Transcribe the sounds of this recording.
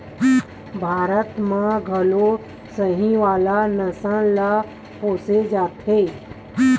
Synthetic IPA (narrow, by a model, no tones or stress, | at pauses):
bʱaːɾət̪mãɡʱəlo | səɦĩʋaːlanəsãla | poːsed͡ʒaːt̪ɦe